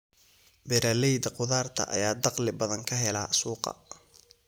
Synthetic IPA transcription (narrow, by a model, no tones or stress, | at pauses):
bɛɾaːlɛjd̪ɐqʊðaːrt̪ʰɐ̰ʔɐ̰jaːd̪ɑqlɪbɐðɐŋkʰɐɦɛlɐ̰suːqɑ̰